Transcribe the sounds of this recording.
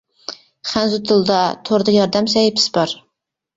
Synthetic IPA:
χænzʊt̪ʰɨlˠd̪ɑt̪ʰoɾd̪ɨjɑɾd̪æmsɛjɪpʰɪ̥z̥bɑɾ

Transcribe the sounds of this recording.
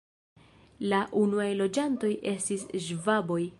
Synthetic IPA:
laʔunuajlo̞d͡ʒanto̞jʔe̞stisʒvabo̞j

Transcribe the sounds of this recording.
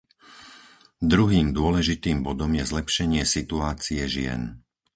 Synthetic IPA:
d̪ɾuɦiːmd̪ʊɔlɛʒit̪iːmbɔd̪ɔmjɛzlɛpʃɛɲɪɛsit̪uaːt͡siɛʒɪɛ̰n

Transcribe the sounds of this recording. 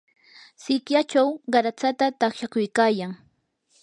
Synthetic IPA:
sɪkjat͡ʃawɢɑɾat͡sat̪at̪aχʃakʊjkaːjaŋ

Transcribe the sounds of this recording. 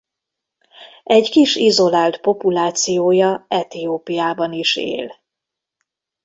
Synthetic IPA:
ɛɟkiʃizo̞laːlt̪po̞pulaːt̪sijoːjɒɛt̪ijoːpijaːbɒniʃḛːl

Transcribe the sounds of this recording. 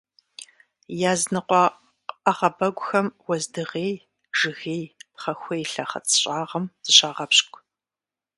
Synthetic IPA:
jaːznɨqʷɔ | ɐʁɐbɐɡʷʊxɐmwɐzdɨʁeːj | ʒ̥ɨɣeːjpχɐxʷeːjɬɐχɐ̰t͡sʰʼɕʼaːʁɐmz̥ɨɕaːʁɐpɕkʷʰʼ

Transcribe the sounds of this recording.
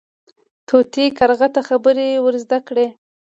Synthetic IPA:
t̪ʰot̪ekaɾɣat̪axabəɾewəɾzd̪akɽe

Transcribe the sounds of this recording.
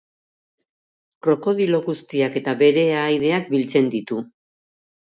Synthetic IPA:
kɾo̞ko̞ðilo̞ɣust̪iake̞t̪aβe̞ɾe̞aːjðe̞ak̚bilt͡se̞nd̪it̪u

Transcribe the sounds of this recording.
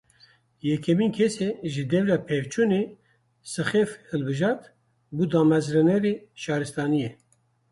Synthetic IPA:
jɛkʰɛmiːnkʰɛseʒɨd̪ɛvɾɛpʰevt͡ʃʰune | sɨxefhɨlbɨʒɑːɾt̪ | buːd̪ɑːmɛzɾɛnɛɾeʃɑːɾɨst̪ɑːnijɛ

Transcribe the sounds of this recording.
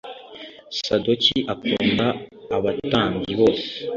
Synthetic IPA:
sadociʔakuːndaːβataːɲɡiβoːse̥

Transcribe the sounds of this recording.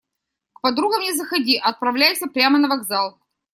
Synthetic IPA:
kpɐd̪ɾuɡəmnʲɪzəxɐdʲiʔɐt̪̚pɾɐvlʲæjsʲəpɾʲamənɐvɐɡzalˠ

